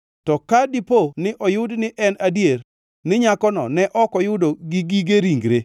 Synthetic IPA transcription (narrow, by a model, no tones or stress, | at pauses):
tɔkadiponɪʔɔjʊdnɪʔɛnadjer | nɪɲakɔnɔ̰nɛʔɔkɔjʊdoɡiɡiɡeɾiŋɡɾe